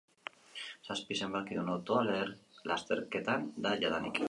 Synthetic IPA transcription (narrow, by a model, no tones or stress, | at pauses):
saspise̞mbakiðunot̪oaleɾlast̪e̞ɾke̞t̪and̪aʝaðanḭk